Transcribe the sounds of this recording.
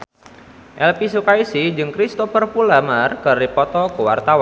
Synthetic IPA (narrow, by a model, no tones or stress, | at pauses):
ʔɛlpisukaisid͡ʒɨŋkɾist̪ofərpulamarkɨrdipɔt̪ɔkəwa̰rt̪awan